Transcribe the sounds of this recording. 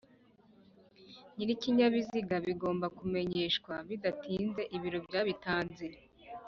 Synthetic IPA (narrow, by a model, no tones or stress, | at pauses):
niɾiciɲaβiziɡaβiɡo̞ːmbakume̞ɲe̞ːʃkwaβidatʰiːnze̞ʔiβiɾo̞bɟaːβitaːnziɾe